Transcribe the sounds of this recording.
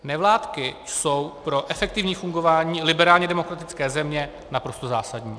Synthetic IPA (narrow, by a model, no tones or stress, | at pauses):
nɛvlaːt̪kɪso̞wpɾo̞ʔɛfɛk̚t̪ɪvɲiːfuŋɡo̞vaːɲiːlɪbɛɾaːlɲɛdɛmo̞kɾat̪ɪt͡skɛːzɛmɲɛ | napɾo̞st̪ozaːsadɲiː